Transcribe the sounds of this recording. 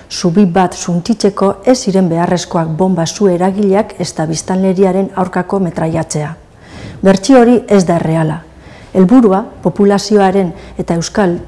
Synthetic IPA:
suβibat̪sunt͡ʃit͡se̞ko̞e̞sːiɾe̞mbe̞are̞sko̞akbo̞mbasue̞ɾaɣiʎe̞ake̞st̪aβist̪anle̞ɾiaɾe̞nawɾkako̞me̞t̪ɾaʎat͡se̞a | βe̞ɾt͡sioɾie̞zd̪aere̞ala | e̞lβuɾuapo̞pulasio̞aɾe̞ne̞t̪ae̞wskal

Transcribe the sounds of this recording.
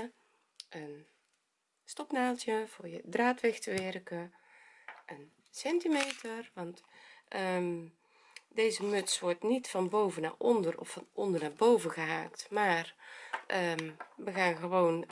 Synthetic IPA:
ʔən | stɔpnaːlˠtjəv̥ʊːɹjədraːtʋɛxtəʋɛrkə | ʔən | sɛntimejtərʋɑntʔə | dejzəmɵtsʋɔrtnitfɑnbowvəna̰ːrɔndərɔ̰fɑnɔndərnaːrbowvəɣəɦaːktmaːrʔəʋəɣaːnɣəʋown

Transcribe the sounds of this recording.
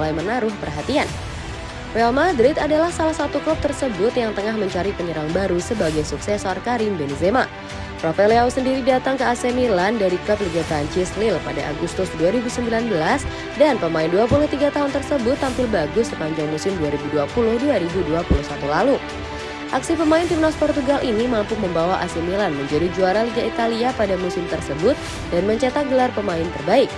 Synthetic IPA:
lajmənaɾʊhpərɦat̪ian | fɛalmad̪ɾɪt̪adalahsalahsat̪uklup̚t̪ərsəbʊt̪jaŋt̪əŋahməɲt͡ʃaɾipəɲəɾaŋbaɾusəbaɡajsuksɛsɔrkaɾɪŋbenezema | pɾɔfɛlausəndiɾidat̪aŋkəasɛmilandaɾikəp̚lid͡ʒap̪ɾaɲt͡ʃɪslɪlpada̰ʔa̰ɡust̪ʊsduaɾibusəmbilanbəlas | danpəmaɪnduapulʊht̪iɡat̪aɦʊnt̪ərsəbʊt̪ːampɪlbaɡʊsːəpaɲd͡ʒaŋmusɪmduaɾibuduapulʊhduaɾibuduapulʊhsat̪ulalu | ʔaksipəmaɪnt̪imnaspɔrt̪uɡalʔinimampʊməmbawaʔa̰sɛmilanməɲd͡ʒadid͡ʒuaɾaliɡait̪aliapadamusɪmt̪ərsəbʊt̪̚ | danməɲt͡ʃat̪aɡəlarpəmaɪnt̪ərbaɪk̚

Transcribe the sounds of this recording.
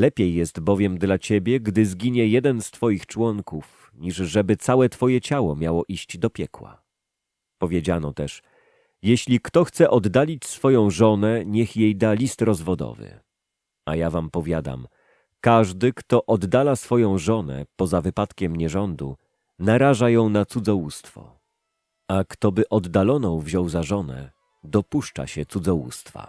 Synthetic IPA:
lɛpʲjejːɛst̪bɔvʲjɛmd̪lat͡ɕɛbʲjɛɡd̪ɘzɡʲiɲɛjɛd̪ɛnst̪fɔjixt͡ʂwɔŋkuf | ɲiʐʐɛbɘt̪sawɛt̪fɔjɛt͡ɕawɔmʲjawɔʔiɕt͡ɕd̪ɔpʲjɛkwa̰ | pɔvʲjed͡ʑanɔt̪ɛʂ | jɛɕlʲikt̪ɔxt̪sɛʔɔd̪ːalʲit͡ɕsfɔjɔ̃w̃ʐɔnɛɲɛxjejd̪alʲist̪ɾɔzvɔd̪ɔ̰vɘ̰ | ajavampɔvʲjad̪a̰m | kaʐd̪ɘkt̪ɔʔɔd̪ːalasfɔjɔ̃w̃ʐɔnɛ̰pɔzavɘpat̪kʲɛmɲɛʐɔnd̪ṵ | naɾaʐajɔ̃w̃nat̪sud̪zɔwust̪fɔ̰ | akt̪ɔbɘʔɔd̪ːalɔnɔ̃w̃vʑɔ̃wzaʐɔnɛ̰ | d̪ɔpuʂt͡ʂa̰ɕɛt̪sud̪zɔwṵst̪fa̰

